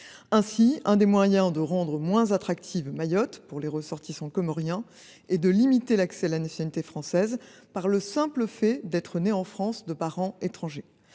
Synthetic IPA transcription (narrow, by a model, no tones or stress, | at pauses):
ɛ̃siɛ̃d̪emwajɛ̃d̪əʁɑ̃d̪ʁəmwɛ̃zat̪χak̚t̪ʰivmajɔt̪puʁleʁəsɔʁt̪isɑ̃kɔmɔʁjɛ̃ | ɛd̪əlimit̪elaksɛalanasjɔnit̪efχɑ̃sɛzpaʁləsɛ̃pləfɛd̪ɛt̪χəneɑ̃fχɑ̃sd̪əpaʁɑ̃et̪χɑ̃ʒe